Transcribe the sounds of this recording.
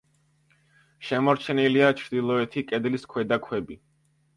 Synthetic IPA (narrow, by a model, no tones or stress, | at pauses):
ʃɛmɔɾt͡ʃʰɛniliat͡ʃʰɾd̪ilˠɔɛt̪ʰikʼɛd̪liskʰwɛd̪akʰwɛbi